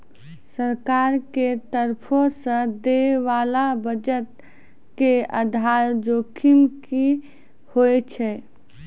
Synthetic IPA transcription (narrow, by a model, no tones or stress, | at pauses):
səɾkaɾket̪əɾpʰõsə̃d̪eʋalabəd͡ʒət̪̚ | keə̰d̪ʱaɾd͡ʒokʰimki | hojt͡ʃʰɛ